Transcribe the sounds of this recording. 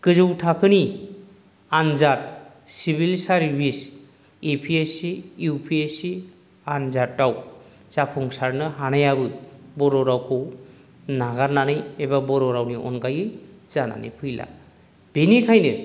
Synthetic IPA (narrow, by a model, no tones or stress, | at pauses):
kɯzɯwtʰakʰɯni | anzat̚ | sibilsaɾbʱis | epʰiesijupʰiesi | anzat̚daw | z̥apʰɔŋsaɾnɯɦanajabɯbɔɾɔɾawkʰɯw | naɡaɾnanɯjebabɔɾɔɾawniʔɔ̰nɡajɯz̥ana̰nɯ̰jpʰɯjla̰ | b̥enikʰajnɯ